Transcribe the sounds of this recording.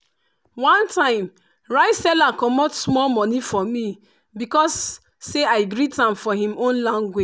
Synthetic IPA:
wãntãɪ̃m | ɹaɪtsɛlakɔmɔtsmɔlmɔnifɔmi | bikɔsː | eaɪɡɾitãmfɔɦĩmõnlãŋɡwed͡ʒ

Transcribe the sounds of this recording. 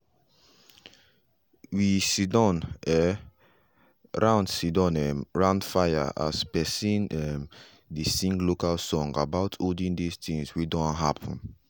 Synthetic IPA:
wisidɔ̃nɛ | ɹãʊ̃ndsidɔ̃nɛmɹãndfaja̰ʔa̰spɛsĩnɛm | disĩŋɡlokalsɔ̃ŋɡabaʊtʰodĩndist̪ĩŋswidɔ̃nɦapʰɔ̃n

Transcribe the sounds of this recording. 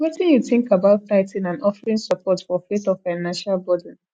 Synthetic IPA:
wɛtĩnjuθɪ̃ŋkabaʊttaɪtĩnãnɔfɹĩnsəpʰɔtfɔfetɔfaɪnãnʃalbɔdə̃n

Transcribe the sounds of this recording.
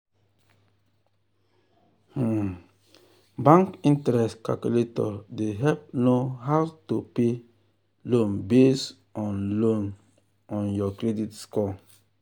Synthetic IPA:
h̩ | bãŋkĩntɾɛskalkuletɔdeɦɛlp̚noɦawtope | lõnbes | ɔ̃nlõn | ɔ̃njɔkɾeditskɔ

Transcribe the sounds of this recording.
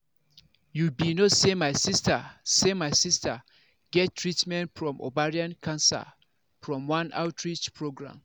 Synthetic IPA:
jubinosemaɪsistʰasemaɪsistʰa | ɡ̥ɛttʰːɹitmɛ̃ntfɹɔ̃mʔo̰baɹiãnkʰãnsa̰ | fɹɔ̃mwãna̰ʊtʰɹit͡ʃpʰɹoɡɹã̰m

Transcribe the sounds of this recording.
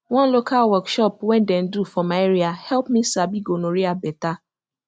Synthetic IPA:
wɔ̃nlokʰalwɔkʃɔpwɛ̃ndɛ̃n̩dufɔmaeɾiahɛlpmisabiɡonoɾiabɛta

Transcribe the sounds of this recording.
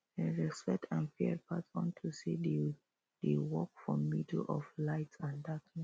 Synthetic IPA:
ɛɹɛspɛk̚tʰãnfiɛpʰatɔ̰̃ntʰusid | dewɔkfɹɔ̃mːidlʔɔ̰flaɪtãndatʰ

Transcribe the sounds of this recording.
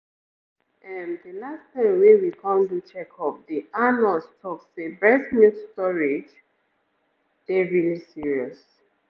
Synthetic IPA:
ɛndəlastʰãɪ̃mwɛ̃nwikʰʌ̃mtut͡ʃʰɛkʰɔpdianɔlstʰɔksebɹɛsnutstɔɹid͡ʒ | ð̥ɛɹilisiɹiɔs

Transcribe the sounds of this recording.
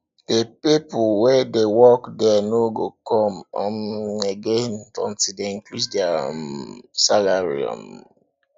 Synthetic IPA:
depipʊwedewɔkdɛnoɡokɔm̩ɔm̩eɡentɔ̰̃n̩tideiŋkluddea | salaɾḭɔ̰̃m

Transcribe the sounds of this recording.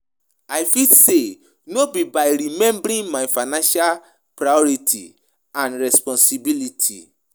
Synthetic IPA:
ajfise | nobibajɾimɛ̃mbɾĩnmajfaɪnãnʃal | pɾajɔɹitʰḭ | ãnɹɛspɔ̃nsibilitʰḭ

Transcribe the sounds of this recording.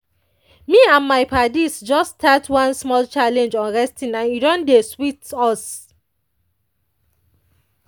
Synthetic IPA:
miãnmaɪpʰadisd͡ʒɔstʰatwãnsmɔlt͡ʃalɛ̃nd͡ʒɔ̃nɹɛstĩnãnidɔ̃ndeswitɔs

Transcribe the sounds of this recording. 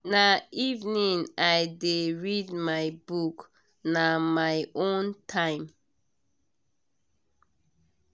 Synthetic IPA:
naivnĩŋajdeɹidmajbuk | namajʔõntʰãɪ̃m

